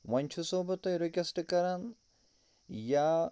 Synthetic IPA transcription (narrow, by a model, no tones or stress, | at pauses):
ʋɐnʲt͡ʃʰusoːbɐt̪ɐjɾekʲɐsʈkɐɾan | ja